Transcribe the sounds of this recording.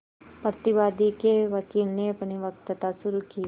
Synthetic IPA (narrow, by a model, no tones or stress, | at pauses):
pɾət̪ɪʋaːd̪ikeʋɐkiːlneɐpniʋɐk̚t̪ət̪asʊɾukiː